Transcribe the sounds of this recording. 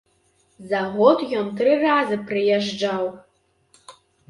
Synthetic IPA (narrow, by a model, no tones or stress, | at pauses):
zaʁʷotʼʒʲɔmtʰrɨraːzɨpʰrɨjɛʒd͡ʒaw